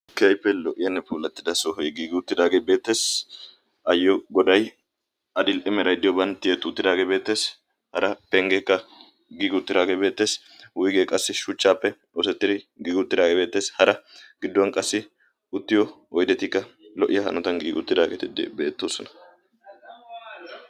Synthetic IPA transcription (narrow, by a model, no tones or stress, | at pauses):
kɪɐjpːɛlɔʔɪjɐnːɛpuːlɐt̪ːɪd̪ɐsɔɦɔjɡiːɡɪʊt̪ːɪd̪aːɡebe̞ːt̪ːe̞ːs | ʔɐjːɔɡɔd̪ɐj | ɐd̪ɪlʔɪmɛɾɐjd̪ɪjɔbɐnt̪ːɪjɛt̪ːʊːt̪ːɪd̪aːɡebe̞ːt̪ːe̞ːs | hɐɾɐpɛŋɡekːɐ | ɡiːɡʊt̪ːɪd̪aːɡebe̞ːt̪ːe̞ːs | wʊjɡeːkʼɐsːɪʃʊt͡ʃːaːpːɛ | osɛt̪ːɪd̪ɪɡiːɡɪʊt̪ːɪd̪aːɡebe̞ːt̪ːe̞ːshɐɾɐɡ̥ɪd̪ːwɐnkʼɐsːɪ | ʊt̪ːɪjɔ | ɔjd̪ɛt̪ɪkːɐlɔʔɪjɐhɐ̰nɔt̪ɐnɡiːɡʊt̪ːɪd̪aːɡḛːt̪ɪd̪ɪ̰be̞ːt̪ːoːsɔnɐ̥